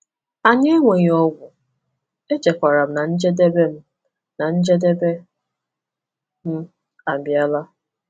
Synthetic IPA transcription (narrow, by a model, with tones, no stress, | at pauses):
a˨ɲe˦ŋʷe˨ɲ˨ɔ˦ɡʷʊ˨ | e˦d͡ʒe˨kʷa˨ɾa˨m̩˦na˨n̩˦d͡ʒe˦de˦be˦m̩˦ | na˨n̩˦d͡ʒe˦de˦be˦ | m̩˦ | a˨m˨bja˦la˦